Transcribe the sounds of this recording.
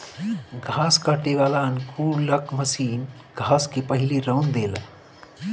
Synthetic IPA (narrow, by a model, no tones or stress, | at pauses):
ɡʱaːskaʈeʋaːlaənkuːləkməsiːn | ɡʱaːskepəɦiliɾəwnd̪eːla̰